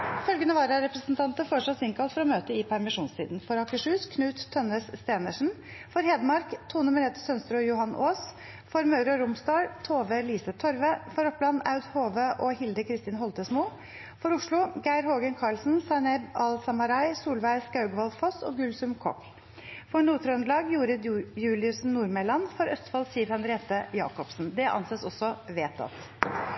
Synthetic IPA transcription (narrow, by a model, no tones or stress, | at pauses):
fœlɡənəʋɑːɾɑɾɛpɾəsnt̪ʰɑnt̪əfoːʂɑsɪŋkʰɑlt̪fɔɾɔmøːt̪əɪpʰæɾmɪʂuːnst̪ʰiːd̪n̩fɔɾɑkəʂʉːskʰnʉːt̪ʰːɔnəsːt̪eːnəʂn̩ | fɔɾheːd̪mɑɾkt̪ʰuːnʉməɾɛt̪ːsœnst̪ɾʊːjʊhɑnʔoːs | fɔɾmɑʉɾɔɾʊmst̪ɑːɹt̪ʰoːʋəliːsət̪ʰɔɾʋəfɔɾɔpblɑnːɑʉd̪hoːʋəʔɔhɪld̪əkʰɾɪst̪iːnhɔlt̪əsmuː | fɔɾʊʂɭʊɡæɪɾhoːɡənkʰɑɭsn̩sɑnɛbɑlsɑmɑɾɑɪsuːlʋæɪskɑʉɡʋɑlfɔsɔ̰ːɡʉlsʉmkʰɔ̰k | fɔnuːt̪ʰɾəʉnd̪lɑːɡjuːɾəd̪jʉːlɪʉsnnuːɾmɛːlɑnfɔɾœst̪fɑlsiːəɾhɑnd̪ɾɪeːt̪əjɑ̰ːkɔpsn̩d̪ɛʔɑ̰nseːsɔsːɔʋeːt̪ʰɑ̰t̪